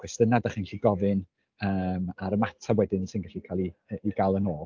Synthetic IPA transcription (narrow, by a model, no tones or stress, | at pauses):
χwɛstənadaχinɬiɡɔvɨn | əːmaɾəmatʰawɛdɪnsɪnɡaɬikʰalˠiəiɡalˠənoːlˠ